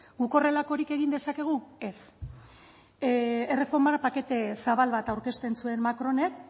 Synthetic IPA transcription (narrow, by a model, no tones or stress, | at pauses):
ɡuko̞re̞lako̞ɾike̞ɣind̪e̞sake̞ɣ̞ue̞s | ere̞fo̞ɾmaɾpake̞t̪e̞saβalβat̪awɾke̞st̪e̞nt͡sue̞nmakɾo̞ne̞k̚